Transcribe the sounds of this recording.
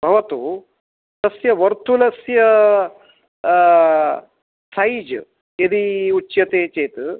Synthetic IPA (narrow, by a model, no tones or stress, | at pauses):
bʱɐʋɐt̪u | t̪ɐsjɐʋɐɾt̪ulɐsjɐ | said͡ʒ | jɐd̪iut͡ʃːjɐt̪eːt͡ʃeːt̪